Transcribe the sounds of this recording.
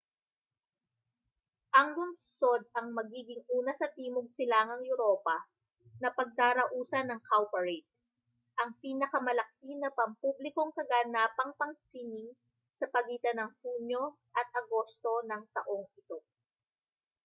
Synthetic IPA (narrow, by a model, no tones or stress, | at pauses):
ʔɐŋlʊmso̞d̪̚ɐŋmɐɡiːɡɪŋʔuːnɐsɐt̪iːmoɡ̚sɪlaŋɐŋjʊɾo̞ːpɐ | nɐpɐɡ̚t̪aːɾɐʔuːsɐnɐŋkawpɐɹɛjt̪̚ | ʔɐŋpiːnɐkɐmɐlɐkinɐpɐmpublɪko̞ŋkɐɡaːnaːpɐŋpɐŋsiːnɪŋ | sɐpɐɡiːt̪ɐnɐŋhuːɲjo̞ | ʔɐt̪̚ʔɐɡo̞st̪o̞nɐŋt̪ɐʔo̞ŋɪt̪o̞